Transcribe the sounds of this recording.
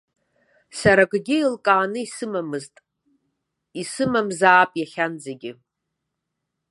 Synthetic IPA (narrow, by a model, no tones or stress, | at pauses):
saɾaɡɡʲɪilkʼaːnɨisɨmamɨztʼ | isɨmamzaːpʼjaχʲand͡zeɡʲɪ